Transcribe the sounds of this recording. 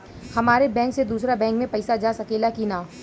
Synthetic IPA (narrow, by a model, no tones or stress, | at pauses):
hɐmaːɾebɛ̃ːŋksed̪uːsɾabɛ̃ːŋkmẽpɐɪsad͡ʒaːsɐkeːlakinaː